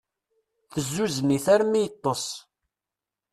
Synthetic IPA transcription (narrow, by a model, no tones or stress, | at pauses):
θəzːuzəniθæɾmːijət̪ˤːəsˤ